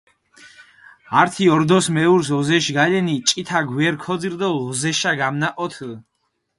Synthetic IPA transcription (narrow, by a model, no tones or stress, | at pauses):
aɾt̪ʰiɔɾd̪ɔsmɛuɾsɔzɛʃɡalɛnit͡ʃʼit̪ʰaɡwɛɾkʰɔd̪ziɾd̪ɔlɔzɛʃaɡamnaʔʼɔt̪ʰ